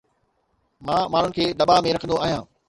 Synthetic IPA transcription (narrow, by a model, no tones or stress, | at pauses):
mãːmaːn̤ɳ̤ʊnɪ̆kʰeːɗ̪ɐɓamẽɾɐkʰə̃nd̪oaːɦijãː